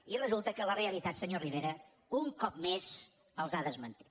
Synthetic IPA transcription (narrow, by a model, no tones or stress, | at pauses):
irəzulˠt̪əkələreəlit̪at̪səɲoriβeɾə | uŋkɔp̚mez | əlˠzaðəzmənt̪i̥t̪